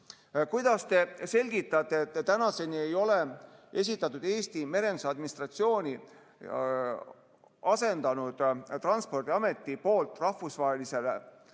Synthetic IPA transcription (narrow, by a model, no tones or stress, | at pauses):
kujd̪̥ɑst̪e̞se̞lʲɡ̥it̪ːˑɑt̪ːˑe̞t̪ːt̪ænɑse̞nie̞jo̞le̞e̞s̬ʲit̪ːˑɑt̪ːˑud̪̥e̞ːst̪ime̞ɾe̞nd̪u̥sɑd̪̚minist̪rɑt̪sio̞ːnʲi | ɑse̞nd̪̥ɑnud̪̥t̪ɾrɑnspo̞rd̥̪iɑme̞t̪ːˑipo̞ːlt̪ːˑrɑhfusvɑɦelise̞le